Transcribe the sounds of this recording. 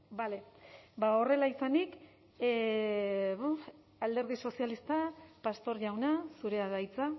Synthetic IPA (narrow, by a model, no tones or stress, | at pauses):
bale̞bao̞re̞laisanik | βu | ald̪e̞ɾðiso̞sialist̪apast̪o̞ɾʝawnasuɾe̞aðajt͡sa